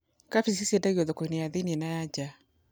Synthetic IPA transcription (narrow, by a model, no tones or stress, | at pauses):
kafisisiedaɣiɔðokoinejaðenenajad͡ʒa